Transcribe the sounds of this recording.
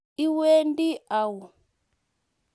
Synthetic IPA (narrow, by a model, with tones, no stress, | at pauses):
i˦we˦ndi˦a˨wu˨